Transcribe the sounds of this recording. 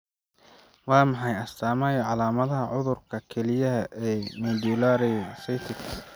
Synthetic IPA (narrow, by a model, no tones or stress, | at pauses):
wɑːmɑħɑjɐst̪ʰaːmaːjɔʕɑlaːmɐðɐɦɐʕʊðʊrkʰɐkʰɛlɪjɐɦɐʔɛːmuːd̪ulaːɾɛjsɛjt̪ʰɪk